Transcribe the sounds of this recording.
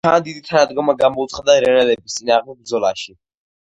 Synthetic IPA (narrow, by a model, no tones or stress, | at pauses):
aːnd̪id̪it̪ʰanad̪ɡɔmaɡamɔut̪sʰχad̪aɾɛnɛlɛbist̪sʼinaːʁmd̪ɛbɾd̪zɔlaʃi